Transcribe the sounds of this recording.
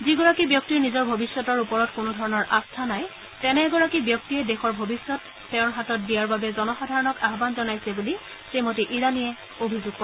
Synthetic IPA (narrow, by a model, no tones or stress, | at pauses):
ziɡɔɹakibjɔk̚tiɹnizɔɹbʱobisːɔtɔɹupɔɹɔtkʊnʊdʱɔɹɔnɔɹʔastʰanaj | tɛnɛɡɔɹakibjɔk̚tiɛdɛxɔɹbʱobisːɔtːɛʊ̃ɹɦatɔt̚dijaɹbabɛzɔnɔxɔdʱaɹɔnɔkaɦɔbanzɔnajsɛbuli | semotiʔiɹaniɛ | obʱizʊɡ̚pɔɹ